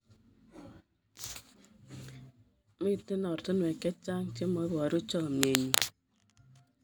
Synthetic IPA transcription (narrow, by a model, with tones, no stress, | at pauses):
mɪ˦˨tːɪ˦nɔ˨ɾtɪ˦nwɛ˨kɛ˦t͡ʃa˦ŋko˦mɔ˨˦βɔ˨ɾu˦t͡ʃɔ˦˨mje˨ɲi˨